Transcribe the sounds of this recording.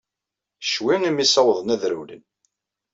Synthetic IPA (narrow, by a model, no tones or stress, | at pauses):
ʃwiŋimisɑwðˤənæðɾṵlə̰n